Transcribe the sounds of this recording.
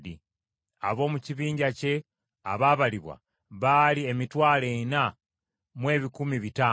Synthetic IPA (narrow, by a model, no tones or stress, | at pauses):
di | a̰βo̞ːmuciβiːɲɟace̞ | aβaːβaliβwa̰ | βaliemitwaːlena | mwe̞ːβikumiβitaː